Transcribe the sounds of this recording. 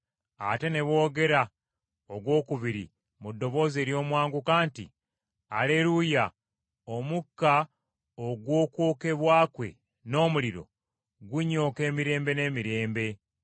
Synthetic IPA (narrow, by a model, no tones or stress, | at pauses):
a̰te̞ne̞βo̞ːɡe̞ɾa | oɡwo̞ːkuβiɾḭ | mudːo̞βo̞ːze̞ːɾjo̞ːmwaːŋɡukaːntḭ | aleɾuja | omukːa | oɡwo̞ːkwoːke̞βwaːkwe̞̰ | no̞ːmuliɾo̞̰ | ɡuɲo̞ːke̞ːmiɾe̞ːmbe̞ne̞miɾe̞ːmbe̞